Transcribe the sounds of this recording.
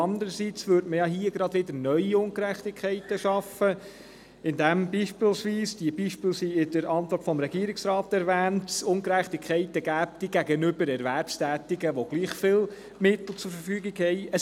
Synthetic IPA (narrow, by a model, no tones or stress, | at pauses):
ɑnd̪əɾəsit͡sʋʏɾtməjɑɦiəɡɾɑd̥̪ʋɪd̪ənœʏiʊŋkəɾæχtɪkʰɛɪtəʃɑfə | ɪndæmbiːʃpɪlsʋiːsd̥iəbiːʃpɪlsiɪdəɾɑntvɔrtfɔmɾɛɡiəɾɪksɾɑːtɛɾʋæːntsʊŋɡɾæχtɪkʰχɛɪtəɡ̥æːp̚tiɡæɡənʏbəɾɛɾʋæɾpstæːtɪɡəʋoɡ̥liːχfɪl | mɪt̪l̩ˠt͡sʊɾfəɾfyːɡɪɡhɛɪəs